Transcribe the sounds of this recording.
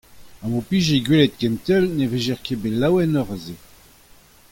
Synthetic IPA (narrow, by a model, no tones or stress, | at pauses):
ãmopiʒeɡwelɛt̪̚kɛnt̪ɛlneveʒɛʁkebelawɛnɔʁəze